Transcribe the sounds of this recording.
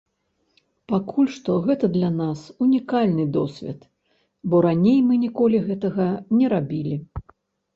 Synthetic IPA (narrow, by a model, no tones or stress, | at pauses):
pakʰulʲʂt̪ɔɣɛt̪ɐd̪lʲanasunʲikalʲnɨd̪ɔsʲvʲɛ̰t̪ | bɔɾanʲejmɨnʲikɔlʲiɣɛt̪ɐɣɐnʲɛɾabʲilʲi